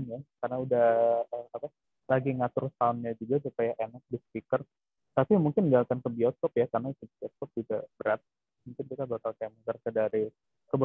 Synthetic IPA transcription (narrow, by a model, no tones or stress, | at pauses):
nakarnaudahəːkapa | laɡiŋat̪ʊrsanɲad͡ʒuɡasupajaʔenak̚dɪspikər | t̪apimuŋkɪnɡalt̪ankəbiɔskɔpjakarnaik̪ubiɔskɔp̚d͡ʒuɡabəɾat̪̚ | muŋkɪnkit̪abakalkajamək̪ərsədaɾi | kəb